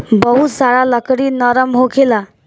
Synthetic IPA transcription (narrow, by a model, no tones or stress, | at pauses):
bəɦut̪saɭaləkɽiːnəɾəmɦokʰela